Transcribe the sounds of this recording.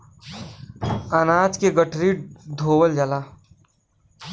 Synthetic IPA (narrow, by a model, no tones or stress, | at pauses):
ənaːd͡ʒkeɡəʈʰɾid̪ʱoːwəld͡ʒalaː